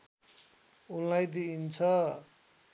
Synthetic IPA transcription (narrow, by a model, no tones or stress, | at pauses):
ulnajd̪iːnt͡sʰʌ